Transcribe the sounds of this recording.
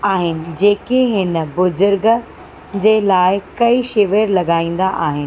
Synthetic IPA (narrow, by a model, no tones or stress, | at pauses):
aːɦɪnɪ̆d͡ʑeːkeɦɪnə̆bʊzʊɾɡ | d͡ʑeːlaːɪkɐiʃɪʋeɾlɐɡaːĩːn̆d̪aʔaːɦɪnɪ̆